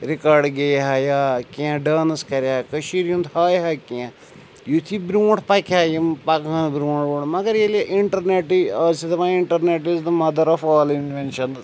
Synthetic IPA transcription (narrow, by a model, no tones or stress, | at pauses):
ɾikaːɾɖɡejɦɐjaːkijãɖaːnɐskɐɾaːkɐʃiɾũnd̪haːjɦɐkiã | jut̪ʰibɾuw̃ɳʈʰpɐkʰʲaːjimpɐkɐ̃nbɾuːɳʈuɖmɐɡɐɾjeleʔiɳʈɐɾneʈiɐːsit̪ɐʋãiɳʈɐɾneʈizd̪əmɐd̪ɐɾɐfaːlinʋenʃɐn